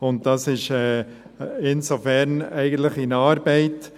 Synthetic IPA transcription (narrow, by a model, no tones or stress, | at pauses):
ʊnt̚d̥ɑsɪʃɛː | ɪnsofɛɾnɛɪɡən̩t̪lɪχɪnɑːɾbɛɪt